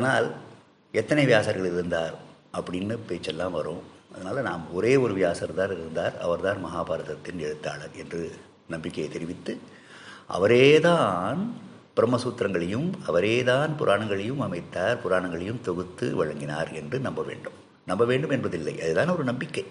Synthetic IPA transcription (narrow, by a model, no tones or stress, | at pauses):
ɐðɐnaːl | ɛt̪ːɐnɐɪʋɪjaːsɐːɾɣɐɭɪɾɯnd̪aːɾʔɐpːɐɽɪnːɯpeːt͡ʃːɛlːãːmʋɐɾõːɐðɐnaːlɐnaːmɔɾeːɔɾɯʋɪjaːsɐɾðaːɾɪɾɯnd̪aːɾɐ̰ʋɐɾðaːnmɐɦaːbaːɾɐðɐt̪ːɪnɛɻɯt̪ːaːɭɐɾɛndrɯ | nɐmbɪkːɐjɐt̪ɛɾɪʋɪt̪ːɯ | ʔɐ̰ʋɐɾeːðaːn | pɪɾɐmːɐsuːt̪ːɾɐŋɡɐɭɐjɯmɐʋɐɾeːðaːnpʊɾʔaːɳɐŋɡɐɭɐjɯmɐmɐɪt̪ːaːɾpʊɾaːɳɐŋɡɐɭɐjɯmt̪ɔɣɯt̪ːɯʋɐɻɐŋɡɪnaːɾɛndrɯnɐmbɐʋḛːɳɖɯm | nɐmbɐʋeːɳɖɯmɛnbɐðɪlːɐɪʔɐðɯt̪aːnɔɾɯnɐmbɪkːɐɪ